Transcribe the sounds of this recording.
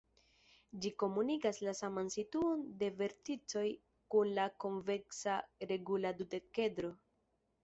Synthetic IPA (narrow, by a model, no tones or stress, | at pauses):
d͡ʒiko̞munikaslasamansituo̞nde̞ve̞ɾtit͡so̞j | kunlako̞ɱveksaɾe̞ɡuladude̞ke̞dɾo̞